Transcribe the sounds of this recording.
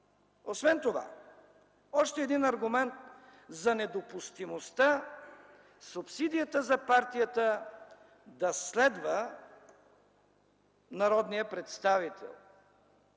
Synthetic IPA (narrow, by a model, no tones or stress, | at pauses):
osvɛnt̪ova̰ | ɔʃt̪ɛːd̪inɐɾɡʊmɛnt̪zɐnɛd̪opʊst̪imost̪a | supsid̪ijət̪əzɐpaɾt̪ijət̪ə | d̪ɐslɛd̪və | nɐɾɔd̪nijəpɾɛt̪st̪avit̪ʰɛ̰lˠ